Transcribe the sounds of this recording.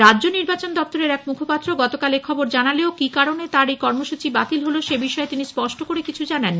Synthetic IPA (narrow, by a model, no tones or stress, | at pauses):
ɾadʑoniɾbat͡ɕond̪ɔp̚t̪oɾeɾɛkmukʰopat̪ːɾoɡɔt̪okalekʰɔboɾd͡ʑanaleokikaɾonet̪aɾejkɔɾmoʃut͡ɕibat̪ilɦoloʃebiʃɔet̪inispɔʃʈokoɾekit͡ɕʰud͡ʑanan